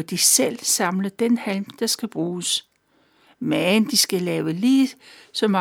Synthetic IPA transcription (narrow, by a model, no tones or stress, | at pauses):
d̥isel̰sɑ̈mləd̥enhælmd̥ɑ̈sɡ̥æb̥ʁuːs | mænd̥isɡ̥ælɛːʊəliːsɒ̽mɑ